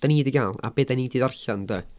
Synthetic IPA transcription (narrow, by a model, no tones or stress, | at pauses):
d̥aniːdiɡaːlˠa̰beːdaniːdiːðarɬandə